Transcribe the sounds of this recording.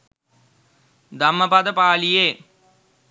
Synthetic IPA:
d̪ɐmːəpad̪əpaːlijeː

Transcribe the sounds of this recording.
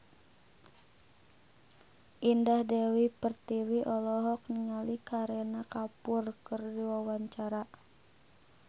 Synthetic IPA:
ʔindahdɛwipərt̪iwiʔɔlɔɦɔk̚niŋalikaɾɛnakapʊrkɨrdiwawaɲt͡ʃaɾa

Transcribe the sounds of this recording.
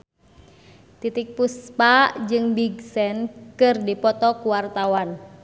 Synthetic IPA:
t̪it̪ik̚puspaʔd͡ʒɨŋbiɡsɛnkɨrdipɔt̪ɔkuwart̪awan

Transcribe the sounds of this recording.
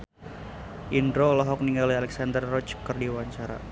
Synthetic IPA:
ʔindɾolɔɦɔk̚niŋɡalialɛksandərːɔt͡ʃkərdiwaɲt͡ʃaɾa̰

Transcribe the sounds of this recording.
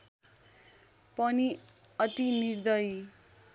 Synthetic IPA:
pʌniʌt̪inird̪ʌj

